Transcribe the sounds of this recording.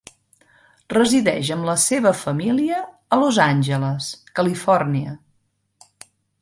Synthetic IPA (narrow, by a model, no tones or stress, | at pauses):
rəziðɛʒəmləseβəfəmiliəː | lozanʲʒələskəlifɔrniə